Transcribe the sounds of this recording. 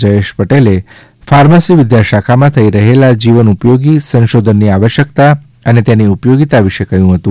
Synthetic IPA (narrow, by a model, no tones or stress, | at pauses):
d͡ʒəeʃpəʈele | faɾmasiʋɪd̪jaʃakʰamãt̪ʰəiɾəɦelad͡ʒiʋənupjoɡisə̃nʃod̪ʱənːiaʋəʃjəkt̪a | ənet̪janiupjoɡit̪aʋiʃekəjũɦət̪ũ